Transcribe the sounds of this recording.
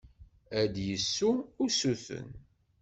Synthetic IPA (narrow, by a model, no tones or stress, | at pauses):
æd̪jəsːuʊsuθə̰n